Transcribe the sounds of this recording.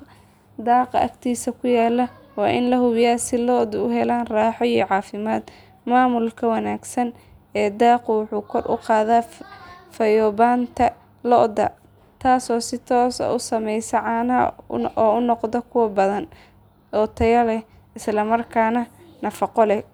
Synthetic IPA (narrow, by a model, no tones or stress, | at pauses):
d̪ɑːqɑ̰ʔɐ̰kt̪ʰiːsɐkʰʊjaːlɐwɑːʔɪnlɐhʊβjaːsɪlɔd̪ʊʊɦɛlaːnraːħɔijɔʕɑːfɪmaːd̪ | maːmʊlkʰɐwɑnaːɡsɐn | ɛːd̪ɑːqʊwʊħuːkʰɔrʔʊ̰qɑːðaːfɐjɔːbaːnt̪ʰɐ | lɔʔd̪ɐ̰ | t̪ʰaːsɔːsɪt̪ʰɔːsɐ̰ʔʊsɐmɛjsɐʕɑːnɐ̰ʔɔːʊnɔqd̪ɔkʰʊwɐbɐðɐn | ɔt̪ʰɐjɐlɛ | ɪslɐmɐrkʰaːnɐnɐfɑqɔlɛ